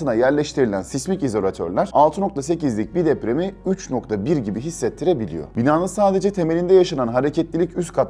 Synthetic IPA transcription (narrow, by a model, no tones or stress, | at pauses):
ɯnajæɾlʲɛʃt̪ʰiɾilʲænsismicizo̞lʲat̪ʰø̰ɾlʲæɾ̥alˠt̪ʰɯno̞k̚t̪ʰase̞cizlʲic̚bid̪ɛpɾemiyt͡ʃno̞k̚t̪ʰabiɾɟibiɦisːɛt̪ʰːiɾebilʲḭjo̰binaːnɯsaːd̪e̞d͡ʒɛt̪ʰe̞me̞lʲind̪ɛjaʃananɦaɾe̞cʰɛt̪lʲilʲicyst̪kʰat̪